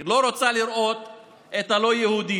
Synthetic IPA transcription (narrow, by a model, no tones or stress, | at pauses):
lo̞ɾot͡saliɾʔo̞t̪ | et̪alo̞jehud̪i